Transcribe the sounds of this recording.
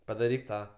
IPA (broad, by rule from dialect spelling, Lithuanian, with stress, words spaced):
pɐdɐˈrʲiːk ˈtɑː